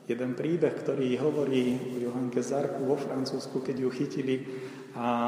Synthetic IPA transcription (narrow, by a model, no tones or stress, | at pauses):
jɛd̪ɛnpɾiːbɛxkt̪ɔɾiːɦɔʋɔɾiːɔjuɦaŋkɛzaɾkuʋɔfɾant͡suːskukɛɟjuxicili | a